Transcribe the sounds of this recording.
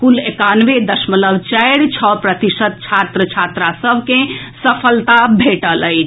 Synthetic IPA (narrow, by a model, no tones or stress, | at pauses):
kulekanʋed̪əsmələbt͡ʃajɽt͡ʃʰɔpɾət̪isət̪̚t͡ʃʰat̪ɾət͡ʃʰat̪ɾasəbʱkẽsəpʰəlt̪abʱeʈələj